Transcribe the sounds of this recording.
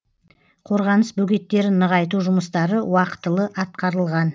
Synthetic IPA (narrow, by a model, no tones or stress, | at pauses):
qʰo̞ɾʁɑnəsbɵɡʲe̞t̪ːe̞ɾɪnːəʁɑjt̪̬uʒʊməst̪ɑɾəwɑqə̥t̪əlˠəʔɑt̪̚qɑɾəlˠʁɑn